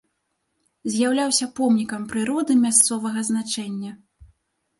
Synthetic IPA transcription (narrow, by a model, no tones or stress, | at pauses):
zʲjawlʲawsʲɐpɔmnʲikɐmpɾɨɾɔd̪ɨmʲast̪sɔvɐɣɐznat͡ʂɛnʲːɐ